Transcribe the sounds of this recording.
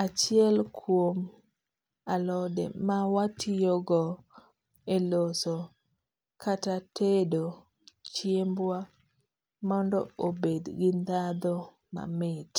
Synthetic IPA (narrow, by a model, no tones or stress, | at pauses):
at͡ʃɪɛlkʰwom | alɔdɛ̰mawatʰijɔɡɔ | elosɔ | kʰatatedo | t͡ʃjembwa | mɔndɔ̰obed̪ɡɪnd̪ad̪ɔ | ma̰mɪt